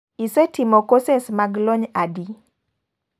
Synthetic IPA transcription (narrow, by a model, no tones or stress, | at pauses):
isɛtimɔkosesmaɡlɔɲadi